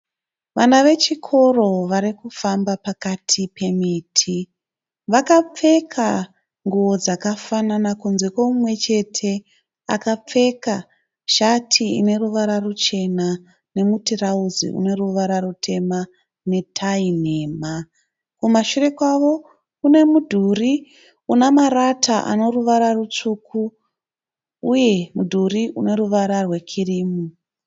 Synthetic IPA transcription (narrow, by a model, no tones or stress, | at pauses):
ʋanaʋe̞t͡ʃikʰo̞ro̞ʋaɾikufambapakatʰipe̞mitʰi | ʋakap͡fe̞kʰa | ŋɡuʋo̞d͡zakafananakunze̞kwomumwe̞t͡ʃe̞tʰe̞ | a̰kap͡fe̞ka | ʃatʰiḭne̞ruʋaɾarut͡ʃe̞na | ne̞mutirauzḭʔṵne̞ruʋaɾarutʰe̞ma | ne̞tʰaine̞ːma | kumaʃure̞kwaʋo̞ | kune̞mudʱuri | unamaɾatʰaʔa̰no̞ruʋaɾarut͡ʂukʰu | uje̞mudʱuriʔune̞ɾuʋaɾarwe̞kʰiriːmu